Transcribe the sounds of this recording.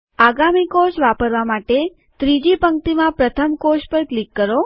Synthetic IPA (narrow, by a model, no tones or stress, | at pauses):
aɡamikot͡ʃʋapəɾʋamaʈe | t̪ɾid͡ʒipəŋk̚t̪imãpɾət̪ʰəmkoʃpəɾklikːəɾo